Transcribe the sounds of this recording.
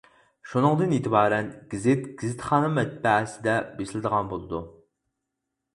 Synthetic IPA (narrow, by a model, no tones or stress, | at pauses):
ʃunɨŋd̪ɨnet̪ʰəbɑːɾɛnɡʲizɪt̪ɡ̥ʲizɪt̪χɑːnɨmɛt̪̚bɛsɪd̪ɛbesɪlɪd̪əʁɑnbolˠɨd̪u